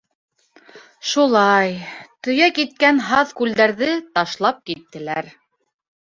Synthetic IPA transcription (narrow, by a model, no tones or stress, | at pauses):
ʃulˠɑjt̪ɵ̆jækit̪̚kænɦɑðkʉld̪æɾðɘt̪ɑʃlˠɑp̚kit̪ːɘ̆læɾ